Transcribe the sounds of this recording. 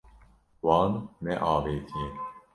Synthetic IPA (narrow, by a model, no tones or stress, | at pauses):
wɑːnːɛʔɑːveːt̪ʰije